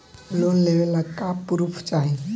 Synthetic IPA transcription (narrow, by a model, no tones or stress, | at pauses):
lonleʋelakapuɾupʰt͡ʃaɦi